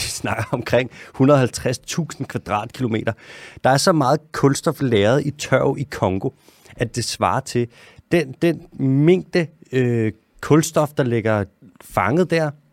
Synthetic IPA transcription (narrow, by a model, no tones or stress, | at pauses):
isnɑ̈ɡ̥ɐɒ̽mkʰʁeŋ̰hunɐðˠhælt͡sʰʁast͡sʰṵːsn̩kʰʋæd̥ʁɑ̰̈ːd̥̚kʰilo̝me̝̰ːdɾɐd̥ɑ̈æɐsɒ̽mɑ̈ːð̞̩ˠkʰɔ̽lsd̥ɒ̽fleːɐð̩ˠit͡sʰɶʊikʰɒ̽ŋɡ̥o̝ | ʔæd̥e̝sʋɑ̈ːɐt͡sʰe̝ | d̥end̥enme̝ŋ̰d̥əø | kʰɔ̽lsd̥ɒ̽fd̥ɑ̈le̝ɡ̥ɐfɑ̈ŋəð̩ˠd̥æɐ̰